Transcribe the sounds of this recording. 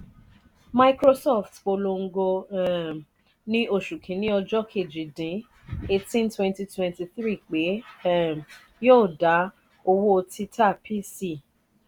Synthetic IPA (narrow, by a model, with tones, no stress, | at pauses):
ma˧ikɾo˦sɔ˦˨ftk͡po˧lo˧ŋ̩˦ɡo˧ | nĩ˦o˦˨ʃu˨kʰĩ˨˦nĩ˦ɔ˧d͡ʒɔ˦kʰe˦˨d͡ʒi˨dĩ˨˦ | e˧tĩ˦ntwɛ̃˦nti˧twɛ̃˧˨nti˧θɾi˦˨k͡pe˨˦˨ | joː˦˨da˨˦ | o˧wo˦˧tʰi˦tʰa˦˨pʰi˦si˦˨